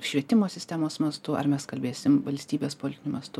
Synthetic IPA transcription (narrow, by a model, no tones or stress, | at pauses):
ʃʲʋʲiɛt̪ʲɪmoːsʲɪsʲt̪ʲæːmoːsmɐst̪ʊɐ̰ɾmʲɛskɐlʲbʲeːsʲɪmʋɐlʲsʲt̪ʲiːbʲeːspoːlʲɪt̪ʲɪnʲmɐst̪ʊ